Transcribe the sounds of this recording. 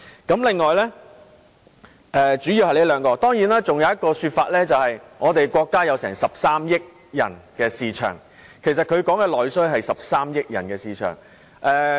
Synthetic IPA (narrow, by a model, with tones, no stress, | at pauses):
kɐ˨˥mlɪ˨ŋːɔː˨jlɛ˥ | ʔɛː˨t͡ʃy˨˥ji˨˧whɐ˨jle˨˥lœː˨˧ŋkɔː˧t̪ɔː˥ŋjiː˨˥naː˥t͡sʊ˨ŋjwjɐ˥t̚kːɔː˧syː˧t̚faː˧t̚lɛː˥t͡sɐ˨whɐ˨jŋɔː˨˧t̪e˨jkʷɔː˧kːaː˥jɐ˨˧wsɛː˨˩ŋsɐ˨p̚saː˥mjɪ˥k̚ | jɐ̰˨˩nkɛː˧siː˨t͡ʃʰœ̰ː˨˩ŋ | kʰe˨˩sɐ˨t̚kʰɵ˨˧ɥkɔː˨˥ŋkɛː˧lɔː˨jsɵ˥ɦɐ˨jsɐ˨p̚saː˥mjɪ˥k̚jɐ˨˩nkɛː˧siː˨t͡ʃʰœ̰ː˨˩ŋ | ʔɛː˨